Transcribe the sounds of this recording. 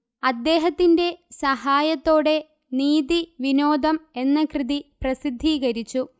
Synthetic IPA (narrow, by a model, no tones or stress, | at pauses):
ɐd̪ːe̞ːɦɐt̪ːinde̞sɐɦaːjɐt̪ːo̞ːɽe̞ | niːðiʋino̞ːd̪ʱɐme̞nːɐkrɨðiprɐsid̪ʱːiːɣɐɾit͡ɕːu